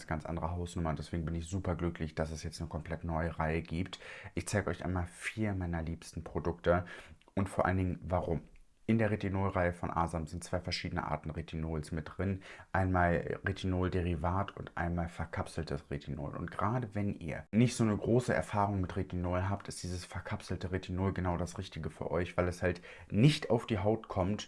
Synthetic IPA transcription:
sɡ̥ant͡sʔa̰ndəʁəɦaʊsnʊmɐʊnd̥ɛsv̥eːɡŋ̩bɪnɪçz̥uːpɐɡlʏklɪçd̥asɛsjɛt͡stnəkʰɔmpl̥ɛtnɔʏəʁaɪəɡiːptʔɪçt͡saɪɡəɔʏçʔaɪnmaːlfiːɐmaɪnɐliːpstn̩pʁ̥odʊktə | ʔʊntfoɐʔa̰ləndɪŋnvaʁʊm | ʔɪndeːɐʁetinoːlʁaɪəfɔnʔa̰ːzamzɪnt̚t͡sv̥aɪfɛɐʃiːdənə̰ʔa̰ɐtn̩ʁetʰinoːlsmɪt̚d̥ʁɪnʔaɪnmaːlʁetʰinoːldeʁivaːtʰʊntʔa̰ɪnmaːlfɛɐkʰapsl̩tʰəsʁetʰino̰ːlʊ̰nt̚ɡ̥əʁaːdəvɛnʔḭːɐnɪçtz̥oːnəɡʁoːsəʔɛ̰ɐfaːʁʊŋmɪtʁetʰinoːlɦaːptɪstd̥iːzəsfɛɐkʰapsl̩təʁetʰinoːlɡənaʊdasʁɪçtɪɡəfyːɐʔɔʏçv̥aɪlɛshalt | nɪçtaʊfd̥iːɦaʊtkʰɔmt

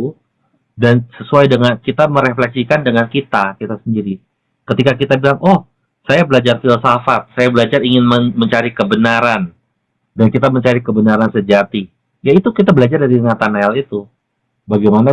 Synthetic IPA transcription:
dansəsuajdəŋankit̪aməɾeflɛksikandəŋankit̪akit̪asəndiɾi | kət̪ikakit̪abilaŋʔɔh | sajabəlad͡ʒarfilsafat̪̚sajabəlad͡ʒariŋɪnməməɲt͡ʃaɾikəbənaɾan | dankit̪aməɲt͡ʃaɾikəbənaɾansəd͡ʒat̪i | jait̪ukit̪abəlad͡ʒardaɾiŋat̪anaɛlit̪u | baɡajmana

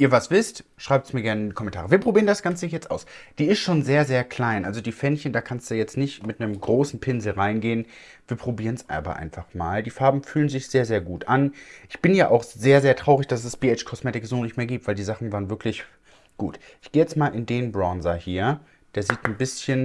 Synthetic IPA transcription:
ʔiːɐvasv̥ɪstʃʁ̥aɪp̚tsmiːɐɡɛɐnəɪndikʰɔmɛntʰaːʁ̞əviːɐpʁ̥obiːʁəndasɡ̥ant͡səjɛt͡stʔa̰ʊsd̥iːɪstʃoːnzeːɐzeːɐkl̥aɪnʔalzodiːfɛnçəndaːkʰanstd̥ujɛt͡stnɪçtmɪtnəmɡʁoːsn̩pʰɪnzl̩ʁaɪnɡeːən | viːɐpʁ̥obiːʁənsʔa̰ːbɐ̰ʔa̰ɪnfaχma̰ːldiːfaɐbm̩fyːlənzɪçz̥eːɐzeːɐɡuːtʔanʔɪçb̥ɪnjaːʔaʊxz̥eːɐzeːɐtʁ̥aʊʁɪçd̥as̬ɛsb̥iːɛt͡ʃkʰɔsmeːtɪkz̥oːnɪçtmeːɐɡiːp̚tv̥aɪldiːzaχn̩vaːʁnvɪɐklɪç | ɡ̥ṵːt | ʔɪçɡ̥eːjɛt͡stmaːlʔɪndeːnbʁɔnzɐhiːɐ | d̥eːɐziːtn̩bɪsçən

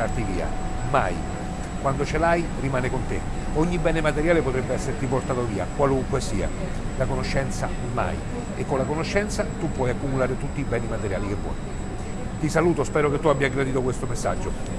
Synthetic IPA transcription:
art̪iviːa̰ | ma̰j | kwand̪ot͡ʃelaj | rimaːnekont̪e | ɔɲːibɛːnemat̪eɾjaːlepot̪ɾɛbːeɛsːeɾt̪iport̪aːt̪oviːa̰kwaluŋkwesiːa̰ | lakonoʃːɛnt̪sa | ma̰j | ekːonlakonoʃːɛnt̪sat̪upːwɔjakːumulaːɾet̪ut̪ːiːbɛːnimat̪eɾja̰ːlikevːɔ̰j | t̪isaluːt̪ospɛːɾoket̪ːuabjaɡɾad̪iːt̪okwest̪omesːa̰d͡ʒːo

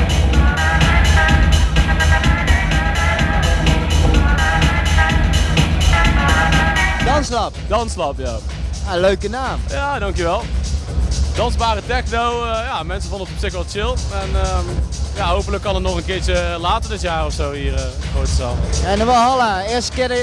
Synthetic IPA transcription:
dɑnslɑpd̥ɑnslɑpja | aløɥkənaːmjaːdɑŋkjəʋɛlˠ | dɑnzbaːrətɛkdowəjaːmɛnsəvɑndəfɔpsɪkʋɛlˠt͡ʃɪlˠɛnəjaːɦowpələkːɑnətnɔχənkɪːt͡ʃəlaːtərdɪtjaːrɔfsowhiːrəfoɹtəzaːmɛndɔnʋɔlˠɦɑlˠaɪːstəkɪdə

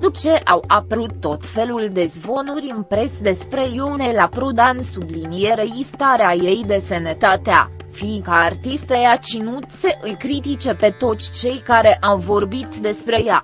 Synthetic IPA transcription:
d̪ut͡ʃe̞ʔawapəɾut̪ːo̞t̪fe̞luld̪e̞zbo̞nuɾʲɨnpɾe̞sd̪e̞spɾe̞jowne̞lapɾud̪ansublinije̞ɾe̞zist̪aɾeaje̞jd̪e̞senet̪at̪ea̰ | fiŋkaːrt̪ist̪ejat͡ʃinuse̞ʔɨlkɾit̪it͡ʃe̞pe̞t̪o̞t̪sʲt͡ʃe̞jkaɾe̞ʔawvo̞rbit̪d̪e̞spɾe̞ja

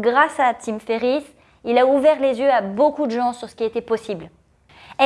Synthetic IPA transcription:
ɡʁasat̪imfeʁis | ilauvɛʁlezjøabokud̪əʒɑ̃syʁsə̥kʲiet̪ɛpɔsibl | ɛ

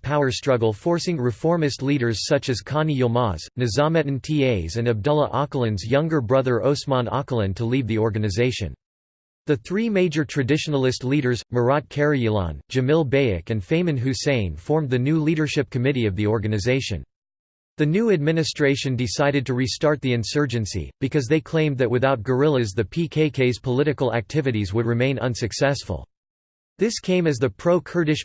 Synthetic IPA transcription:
pʰaʊə˞stɹ̥ʌɡl̩ˠfɔɹsɪ̃ŋɹɨfɔɹmɨstˡliɾə˞z̥sʌt͡ʃɨz̥kʰɑniomɑznɨzɑmɨɾɨ̃n̩tʰieɪzɨ̃nɨb̚dʌlˠəʔɑklˠɨ̃nzjʌ̃ŋɡə˞bɹʌðə˞ʔoʊsmɑ̃nɑ̰klˠə̃ntʰəlivðiɔɹɡɨnɨzeɪʃɨ̰̃n | ðɨθɹimeɪd͡ʒə˞tʰɹ̥ɨdɪʃn̩l̩ˠɨstˡliɾə˞zmə˞ɑt̚kʰɛɹiilˠɑ̰̃nd͡ʒɨmɪlˠbeɪɨ̰kɨ̃nfẽɪ̃mɨ̃nɦʉsẽɪ̃nfɔɹmðɨnʉliɾə˞ʃɪp̚kʰɨmɪɾiʌvðiɔɹɡɨnɨzeɪʃɨ̰̃n | ðɨnʉɨd̚mɪ̃nɨstɹ̥eɪʃɨ̃ndɨsaɪɾɨd̚tɨɹistɑɹt̪̚ðiɨ̃nsɜ˞d͡ʒɨ̃nsḭb̥ɨkʰʌzðeɪkʰl̥ẽɪ̃mðɨt̚wɨθaʊt̚ɡ̥ə˞ɪlˠɨzðɨpʰikʰeɪkʰeɪz̥pʰəlɪɾɨkl̩ˠæ̰k̚tʰɪvɨɾizwəd̚ɹɨmẽɪ̃nʌ̰̃nsɨksɛsfə̰l̩ˠ | ðɪskʰẽɪ̃mɨzðɨpʰɹ̥oʊkʰɜ˞ɾɨʃ

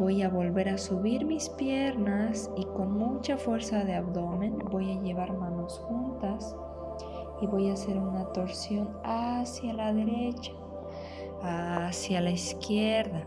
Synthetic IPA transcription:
bo̞jaβo̞lβe̞ɾasuβiɾmispje̞ɾnasiko̞nmut͡ʃafwe̞ɾsaðe̞aβd̪o̞mẽ̞nbo̞jaʝe̞βaɾmano̞sxunt̪as | iβo̞jase̞ɾunat̪o̞ɾsjo̞nasjalaðe̞ɾe̞t͡ʃḁː | sjalaiskjeɾða

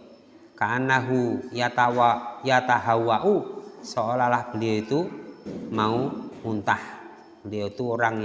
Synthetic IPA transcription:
kaːnaɦujat̪awjat̪aɦauaʔusɔolalahkəliɔit̪u | mauhunt̪ah | kəliɔt̪uɔɾaŋ

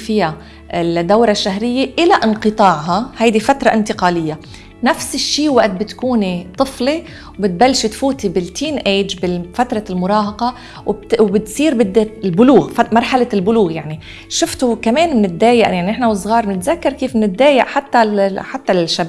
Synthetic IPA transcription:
fɪja | ɪld̪ːawɾˤaʃːaɦɾɪjːeʔɪlaʔɪnqɨt̪ˤɑːʕɦɑhajd̪ifat̪ɾˤɑʔɪnt̪ɪqɑːlɪjːa | nafsɪʃːiːwaʔt̪̚bɪt̪kuːnit̪ˤɨfli | wbɪt̪̚balːʃit̪fuːt̪ibɪlt̪ʰiːnʔeːd͡ʒbɪfat̪ɾˤɑlmʊɾˤɑːɦɑqɑ | wwbɪt̪sˤiːɾbɪd̪ːalbʊluːɣfmɑɾˤħalalbʊluːɣjaʕni | ʃʊft̪ukameːnmɪnɪt̪̚ːaːjɪʔjaʕniʔɪħnawsˤːɣɑːɾˤmnɪt̪zakːɑɾˤkiːfmnɪt̪̚ːaːjɪʔħat̪ːaħat̪ːalʃːab

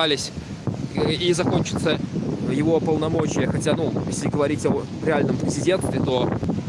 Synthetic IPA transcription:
alʲɪsʲ | izɐko̞nʲt͡ɕɪ̥t̪səjɪvo̞pəlˠnɐmo̞t͡ɕɪjəxɐtʲanujesʲlʲɪɡəvɐɾʲitʲo | ɾʲɪalʲnəmpɾʲɪzʲɪdʲe̞nst̪vʲɪt̪o̞

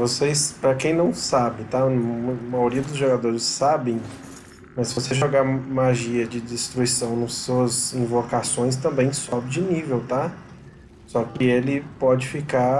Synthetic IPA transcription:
vosespɾɐkẽj̃nɐ̃w̃sabɪt̪aɐmajoɾiɐd̪ʊzʒoɡad̪oɾɪsːabẽj̃ | mɐssɪvosezʒoɡamaʒiɐd͡ʒɪd͡ʒɪst̪ɾuisɐ̃w̃nɐsːuɐzĩvokasõj̃s̬t̪ɐ̃mbẽj̃sɔbɪd͡ʒɪnivewt̪a | sɔkɪelɪpɔd͡ʒɪfika

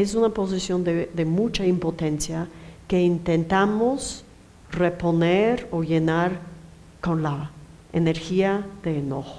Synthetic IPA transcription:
es̬unapo̞s̬isjo̞nd̪eðemut͡ʃaimpo̞t̪ensjakeint̪ent̪amos | repo̞neɾoʝe̞naɾ | ko̞nla | eneɾxiaðeːnoxo̥

